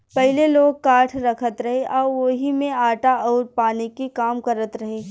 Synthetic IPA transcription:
pɛɦɪleloːɡ̚kaːʈʰɾɐkʰət̪ɾɐɦeʔɔːɾʋoɦimẽaːʈaɔːɾpaːnekekaːmkɐɾət̪ɾɐɦeː

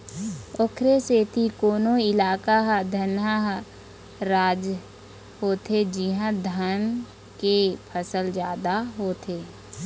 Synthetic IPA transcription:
ʊkʰɾeseːt̪ʰikoːnoɪlaːkaɦd̪ʱənaɦ | ɾaːd͡ʒ | ɦoːt̪ʰed͡ʒɪɦãd̪ʱən | kepʰəsəld͡ʒjaːd̪aɦoːt̪ʰeː

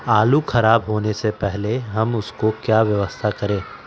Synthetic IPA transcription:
aːlukʰɐɾaːbɦoːnesepɛɦleɦɐmʊskokjaːʋjɐʋəst̪ʰakɐɾẽː

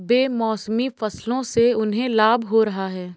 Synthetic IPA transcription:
beːmɔːsmifɐslõseʊnɦẽlaːbʱɦoɾɐɦaɦɛː

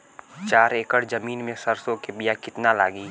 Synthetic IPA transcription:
t͡ʃaːɾeːkəɽzɐmiːnmẽsɐɾsõkebijakɪt̪nala̰ːɡiː

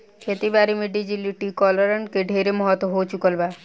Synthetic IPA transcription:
kʰet̪ibaːɾimẽɖid͡ʒiliʈikɔːləɾəɳʈ̚keɖʱeːɾemɔɦɔt̪ɦot͡ʃʊkəlbaː

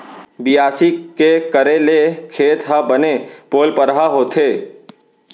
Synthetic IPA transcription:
bijaːsikekəɾelekʰeːt̪ɦəbənepoːlpəɾɦaɦoːt̪ʰeː

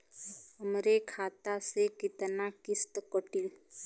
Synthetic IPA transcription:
ɦəmɾekʰaːt̪asekɪt̪nakɪst̪kɔʈil

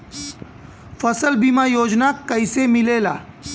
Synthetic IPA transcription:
fɐsəlbimajoːd͡ʒnakɐɪsemɪleːla̰ː

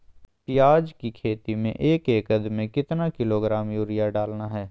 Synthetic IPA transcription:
pɪjaːd͡ʒkikʰeːt̪imḛ̃ʔeːkeːkɐd̪mẽkɪt̪nakɪloɡɾaːmjuːɾɪjaɖaːlnaɦɛː

